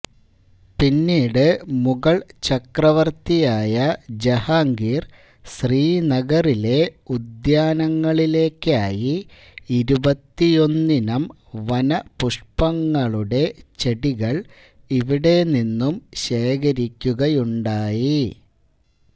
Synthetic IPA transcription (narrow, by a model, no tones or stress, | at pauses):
pinːiːɽɨmuɣɐɭt͡ɕɐkrɐʋɐrt̪ijaːjɐd͡ʑehaːŋɡiːr | ɕriːnɐɣɐrile̞ud̪jaːnɐŋːɐɭile̞ːkːaːji | iɾubɐt̪ːijo̞nːinɐm | ʋɐnɐpuʂpɐŋːɐɭuɽe̞t͡ɕe̞ɽiɣɐɭ | iʋiɽe̞ninːumɕe̞ːkʰɐɾikʲːuɣɐjuɳɖaːji